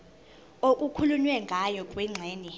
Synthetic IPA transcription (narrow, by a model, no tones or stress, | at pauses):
oʔ̬ʼukʰulunwɛŋɡʱajɔkʼwɛŋ͡ǀʱɛːnɛ